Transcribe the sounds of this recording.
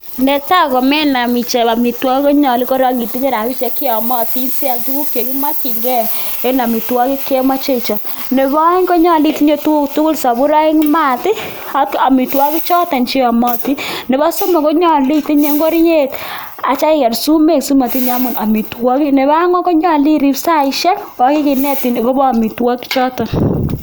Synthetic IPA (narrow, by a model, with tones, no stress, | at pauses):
ndɛ˦ta˦kɔ˨mɛ˦na˨mi˨t͡ʃɛ˨ba˨mi˨twɔ˦ki˦kɔ˦ɲɔ˨li˦kɔ˦ɾa˦ki˨ti˦ɲe˦ɾa˨wi˦t͡ʃe˨˦kɪ˦ɔ˨mɔ˦ti˦nsi˦a˨ltu˦ku˦kje˨ki˦ma˦ki˨ŋɡɛ˦˨e˦na˨mi˨twɔ˦ki˦ke˦ma˦t͡ʃe˦˨t͡ʃa˨ | ne˨bɔ˦ŋkɔ˦ɲɔ˦˨li˦˨ti˦ɲe˦tu˦u˦ktu˦ku˦lsa˨bu˦ɾa˦ɪ˦ŋ˦ma˦˨tɪ˦a˨˦ka˨mi˨twɔ˦ki˦t͡ʃɔ˦tɔ˨nt͡ʃi˦a˨mɔ˦ti˦ne˨ba˦so˦mɛ˨kɔ˦ɲɔ˦˨li˦ti˦ɲe˦ŋɡo˦ɾi˦ɲe˦t | a˨t͡ʃa˦ɪ˦kɛ˨ɾsu˦me˦ksu˦ma˨ti˦ɲa˦mʊ˨na˨mi˨twɔ˦ki˦ne˨ba˦ŋɔ˦kɔ˦ɲɔ˦˨li˦ɾi˦psa˦ɪ˦ʃɛ˦nwa˨˦ki˦ki˨nɛ˦ti˨n˨kɔ˦bɔ˦a˨mi˨twɔ˦ki̥˦t͡ʃɔ˦tɔ˨n